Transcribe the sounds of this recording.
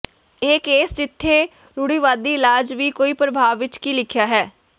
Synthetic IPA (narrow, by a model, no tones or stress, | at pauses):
eːkeːsd͡ʒɪt̪ʰːeː | ɾuɽiːʋaːd̪iːɪlaːd͡ʒʋiːkoːiːpɾəbʱaːʋːɪt͡ʃkiːlɪkʰjaːɦɛː